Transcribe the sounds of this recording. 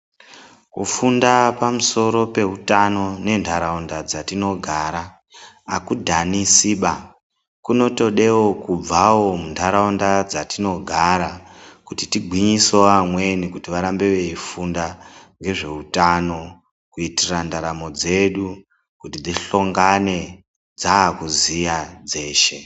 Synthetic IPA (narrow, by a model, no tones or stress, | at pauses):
kufundapamuso̞ɾo̞pe̞ɦutano̞ne̞ndʰaɾaundad͡zatino̞ɡʱaɾaː | kudʱanisiɓa | kuno̞to̞ɗe̞wokub͡vawo̞mundʰʱaɾaundad͡zatino̞ɡʱaɾakutitiɡʱwiɲisoamwe̞nikutiʋaɾambe̞ʋe̞ifundaŋɡe̞ʐe̞utano̞ | kuitirandaɾamo̞d͡ze̞ɗu | kutid̪iɬo̞ŋɡane̞ | d͡zaːkuzijad͡ze̞ːʃe̞